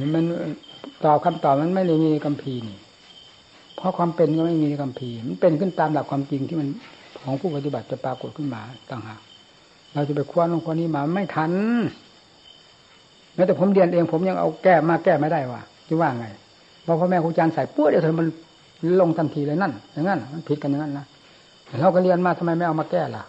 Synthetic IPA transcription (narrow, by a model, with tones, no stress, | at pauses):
mɛː˧˥˨nt̪ɔː˨˩p̚kʰa˧mt̪ɔː˨˩p̚ma˧˥˨nma˥˩˨jda˧˩jmiː˧na˧jka˧˨mpʰiː˧niː˧˩ | pʰɔ˧˥˨kʰwaː˧mpe˨nkɔ˧˩ma˥˩jmiː˧na˧jka˧mpʰiː˧˨ma˧˥˨npe˨nkʰɯ˧˥˨nt̪aː˧mla˧˩p̚kʰwaː˧˨mt͡ɕi˧ŋt̪ʰi˧˨ma˧˥nkʰɔː˨˦ŋpʰuː˧˩pa˧t̪i˧˩ba˨˩t̪̚t͡ɕa˧˩paː˧ko˨˩t̪̚kʰɯ˧˥˨nmaː˧˩t̪a˧˩ŋhaː˨˩k̚ | ɾaː˧˩t͡ɕa˧˩p̬a˨˩kʰu˧˨ənɔː˧˩ŋkʰu˧˨niː˧˥˨maː˧ma˧˩˨jt̪ʰa˧˥˨n | mɛː˧˥˨t̪ɛː˧˩pʰo˧˦mdi˧˩ənʔeː˧ŋpʰo˨˦mɲa˧˨ŋʔa̰˧wkɛː˧˩maː˧˩kɛː˧˩maː˧˩da˧˩jwaː˧˩˨ | t͡ɕi˧˦waː˧˨ŋa˧˩j | pʰɔː˧pʰɔː˧mɛː˧kʰuː˧˦˨t͡ɕaː˧˨nsa˨˦jpu˧˨d̪ʰma˧˥˨n | lo˧˨ŋt̪ʰa˧˨nt̪ʰiː˧laː˧˦na˧˥˨nɲa˧˦ŋːa˧˥˩nma˧˥˨npʰi˧˦t̪̚ka˧˨nja˧ŋa˧˥˨nːa˧˥˨ | lɛ˧˩la˧˩wka˧li˧ə˨nmaː˧t̪ʰa˧ma˧˥jma˧˨ʔa˧maː˧kɛː˧˩la˨˧˩